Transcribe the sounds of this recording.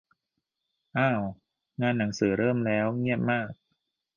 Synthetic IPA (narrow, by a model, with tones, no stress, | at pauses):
ʔaː˧˩w | ŋaː˧nːa˩˦ŋsɯː˩˦ɾɤː˥˩mlɛː˦˥wŋi˥˩əp̚maː˥˩k̚